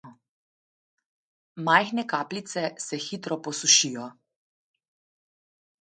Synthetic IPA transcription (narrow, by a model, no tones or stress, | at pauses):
majxnɛkaːplit̪sɛsɛxit̪ɾɔpɔsuʃijɔ